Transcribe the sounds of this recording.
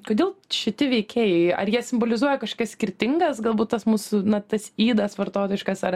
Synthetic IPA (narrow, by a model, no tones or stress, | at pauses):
koːd̪ʲeːlˠʃʲɪt̪ʲɪʋʲɛɪkʲeːjɛɪɐ̰rjiɛsʲɪmboːlʲɪzuɔjɛkɐʃkoːkɐssʲkʲɪrʲt̪ʲɪŋɡɐsɡɐlˠbuːt̪t̪ɐsmuːsʊnɐt̪ɐsiːd̪ɐsʋɐrt̪oːt̪oɪʃkɐsɐr